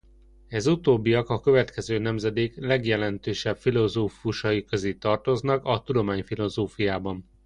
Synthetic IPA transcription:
ɛzut̪oːbːijɒkɒkø̞vɛt̪kɛzøːnɛmzɛd̪eːklɛɡjɛlɛnt̪øːʃɛbfilo̞zoːfuʃɒjikøzeːt̪ɒrt̪o̞znɒkɒt̪ud̪o̞maːɲfilo̞zoːfujaːbɒn

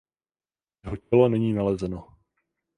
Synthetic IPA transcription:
jɛɦocɛlo̞nɛɲiːnalɛzɛno

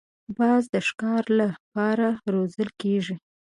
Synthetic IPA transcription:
bɑzd̪əʃkɑɾlapɑɾaɾozəlkeʒi

